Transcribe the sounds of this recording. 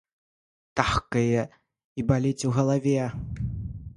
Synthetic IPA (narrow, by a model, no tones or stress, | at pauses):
t̪axkɐjɛ | ibalʲit͡sʲuɣɐlˠavʲɛ